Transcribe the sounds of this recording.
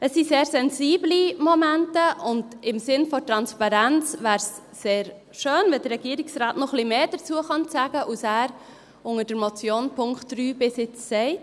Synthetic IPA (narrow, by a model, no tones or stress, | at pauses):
əsiseːɾsɛnziːblimomæntəʔʊndɪmsɪnfɔtɾɑnspɑɾænt͡svæːɾsː | eːɾ | ʃøːnvɛd̥əɾɛɡiəɾiksraːtnɔχlimeːd̥əɾt͡suəχɑnt͡sæɡəʔusæːɾ | ʊŋəd̥əɾmot͡sjoːnpʰʊŋktryːbɪsɪt͡sːɛɪ